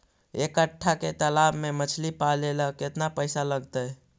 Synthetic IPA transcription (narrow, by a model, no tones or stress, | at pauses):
ekəʈʰːaket̪əlabmemət͡ʃʰlipaleləkːet̪napəjsaləɡt̪əj